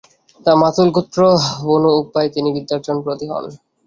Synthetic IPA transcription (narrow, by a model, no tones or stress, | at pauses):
t̪amat̪ʰulkut̪ːɾobonuupːaet̪inibid̪ːaɾt͡ɕonpɾot̪iɦɔ̰n